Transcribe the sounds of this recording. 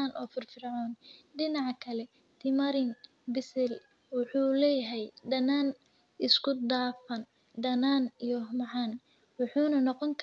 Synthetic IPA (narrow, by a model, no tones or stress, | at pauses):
aːnʔɔːfɪrfɪrʕɔːnɖɪnɑʕkʰɐlɛ | t̪ʰɪmɐɾɪn | bɪsɪl | wʊħuːlɛːjaɦɛjɖɐnaːn | ɪskʰʊd̪aːfɐn | ɖɐnaːnijɔhmɑħɑːn | wɑħuːnɐnɔqɔŋkʰ